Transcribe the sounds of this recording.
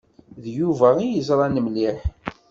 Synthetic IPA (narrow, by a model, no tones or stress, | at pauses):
ðjuvæijəzˤɾˤɑnəmliħ